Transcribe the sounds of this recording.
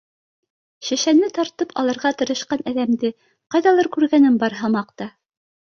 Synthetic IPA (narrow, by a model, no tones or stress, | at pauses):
ʃæ̆ʃænːɘt̪ɑɾt̪ɤpʰɑlˠɑɾʁɑt̪ɤ̆ɾɤ̆ʃqɑnæðæmd̪ɘ | qɑjðɑlˠɤɾkʉɾɡænɘmbɑɾɦɤmɑq̚t̪ɑ